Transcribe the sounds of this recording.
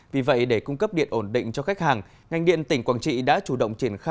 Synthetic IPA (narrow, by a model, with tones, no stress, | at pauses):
vi˨˩və̰˧˨jɗe˧˩kʊ˧ŋ͡mkə˦˥p̚ɗḭ˧˨ənʔo˧˩nɗḭ̈˧˨ŋ̟t͡ɕɔ˧xa˦˥k̟̚haː˨˩ŋ | ŋa˨˩ŋ̟ɗḭ˧˨ənt̪ï˧˩ŋ̟kwaː˧˩nt͡ɕḭ˧˨ɗa̰ː˧˥t͡ɕu˧˩ɗə̰˧˨wŋ͡mt͡ɕi˧˩ənxaː˧